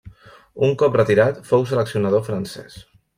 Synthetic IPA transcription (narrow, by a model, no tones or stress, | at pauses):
uŋkɔp̚rət̪iɾat̪fowsələksiunað̞ofɾansɛ̰s